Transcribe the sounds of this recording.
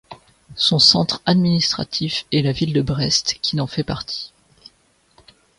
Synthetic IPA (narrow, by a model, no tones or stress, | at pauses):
sɔ̃sɑ̃t̪χad̪minist̪χa̰t̪ʰifɛlavild̪əbʁɛst̪kʲʰinɑ̃fɛpaʁt̪ʰi̥